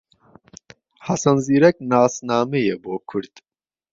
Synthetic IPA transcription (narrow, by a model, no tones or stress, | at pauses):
hɐsɐnziːɾɛk̚naːsnaːmejeboːkʰuɾd̪̥